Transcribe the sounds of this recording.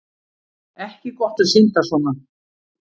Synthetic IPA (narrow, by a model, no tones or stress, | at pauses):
ɛhcɪkɔht̪aðsin̥t̪asɔːna